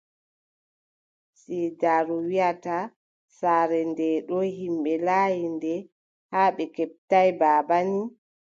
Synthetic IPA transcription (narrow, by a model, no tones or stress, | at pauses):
sidaɾuwiata | saːɾɛndɛɗɔɦimɓɛlaːjindɛ | haːɓɛkɛp̚tajbaːbani